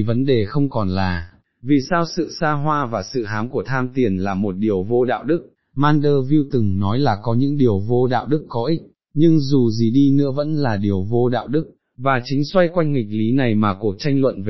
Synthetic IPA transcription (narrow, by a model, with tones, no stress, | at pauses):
və˨˦nɗe˨˩xə˧wŋ͡mkɔ˨˩nlaː˨˩ | vi˨˩saː˧wsɨ̰˧˨saː˧ɦwaː˧vaː˨˩sɨ̰˧˨ɦaː˨˦mku˧˩ət̪ʰaː˧mt̪i˨˩ənlaː˨˩mo˨˩t̚ɗi˨˩əwvo˧ɗa̰ː˧˨wɗɨ˦˥k̚ | maː˧nɗəː˧vi˧wt̪ɨ˨˩ŋnɔ˨˦jlaː˨˩kɔ˨˦ɲɨ̰˧˥ŋɗi˨˩əwvo˧ɗa̰ː˧˨wɗɨ˦˥kːɔ˨˦ʔi˦˥t̚ | ɲɨ˧ŋzu˨˩zi˨˩ɗi˧nɨ̰˧˥əvə̰˧˥nlaː˨˩ɗi˨˩əwvo˧ɗa̰ː˧˨wɗɨ˦˥k̚ | vaː˨˩t͡ɕï˨˦ŋ̟swa˧jkwa˧jŋ̟ŋï˨˩k̟̚li˨˦na˨˩jmaː˨˩ku˨˩ək̚t͡ɕa˧jŋlwə̰˧˨nve˨˩